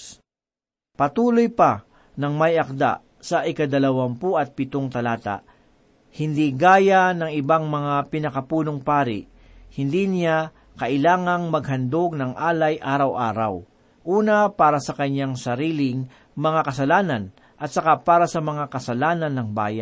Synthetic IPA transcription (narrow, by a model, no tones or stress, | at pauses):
pɐt̪uːlojpɐ | nɐŋmɐjɐk̚d̪a̰ | sɐʔɪkɐd̪ɐlɐwampuʔɐt̪̚pɪt̪oŋt̪ɐlaːt̪a̰ʔ | hɪnd̪iɡaːjanɐŋɪbaŋmɐŋapɪnɐkɐpuːnoŋpaːɾɪ̰ʔ | hɪnd̪inɪja | kɐʔɪlaːŋɐŋmɐɡ̚ɦɐnd̪oɡ̚nɐŋʔaːlɐjʔaːɾɐwʔa̰ːɾɐ̰w | ʔuːnɐpaːɾɐsɐkɐɲːaŋsɐɾiːlɪŋ | mɐŋakɐsɐlaːnɐn | ʔɐt̪sɐkapaːɾɐsɐmɐŋakɐsɐlaːnɐnːɐŋba̰ːjɐ̰n